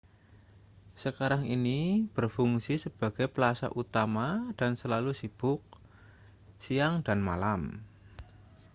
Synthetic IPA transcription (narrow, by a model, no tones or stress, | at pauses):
səkaɾaŋinib̥ərfuŋsisəb̥a̤ɡ̥ajplasa̰ʔut̪amad̥ansəlalusib̥ʊk̚ | sijaŋda̤nma̰lam